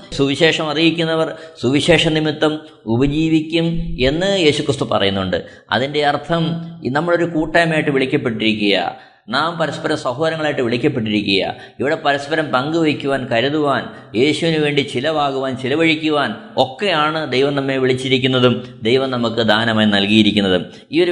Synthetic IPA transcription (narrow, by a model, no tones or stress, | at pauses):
suʋiɕe̞ːʂɐmɐrijikʲːunːɐʋɐrsuʋiɕe̞ːʂɐnimit̪ːɐm | ubɐd͡ʑiːʋikʲːume̞nːɨje̞ːɕukrist̪upɐ̰rɐjunːuɳɖɨ̰ | ɐ̰ðinde̞ɐrt̪ʰɐmnɐmːɐɭo̞ɾukuːʈːajmaːjiʈːɨʋiɭikʲːɐpːeʈːiɾikʲːujɐa̰ | naːmpɐɾɐspɐɾɐmsɐɦoːɐɾɐŋːɐɭaːjiʈːɨʋiɭikʲːɐpːe̞ʈ̬ːiɾikʲːujɐ̰ | iʋiɽe̞pɐɾɐspɐɾɐmt̪ɐŋɡɨʋɐkʲːuʋaːnkɐɾuðuʋaːn | je̞ːɕuʋinɨʋe̞ːɳɖit͡ɕilɐbaːɡuʋaːnt͡ɕilɐʋɐɻikʲːuʋaːn | o̞kːejaːɳɨd̪ejʋɐmnɐmːe̞ʋiɭit͡ɕːiɾikʲːunːɐðumd̪ejʋɐmnɐmukːɨd̪ʱaːnɐmaːjnɐlɡijiɾikʲːunːɐðṵm | iːo̞ɾu